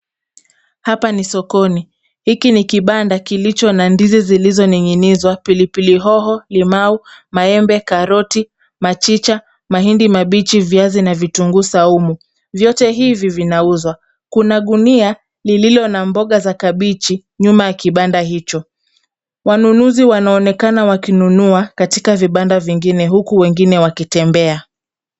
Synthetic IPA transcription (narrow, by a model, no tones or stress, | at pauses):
hapanisɔkɔni | hikinikiɓandakilit͡ʃɔnandizizilizɔniŋinizwapilipiliɦɔɦɔlimaumaɛmbɛkaɾɔti | mat͡ʃit͡ʃa | maɦindimaɓit͡ʃivjazinavituŋɡusaumu | vjɔtɛɦivivinauzwa | kunaɗunia | lililɔnambɔɠazakaɓit͡ʃi | ɲumajakiɓandaɦit͡ʃɔ | wanunuziwanaɔnɛkanawakinunuakatikaviɓandaviŋɡinɛɦukuwɛŋɡinɛwakitɛmbɛa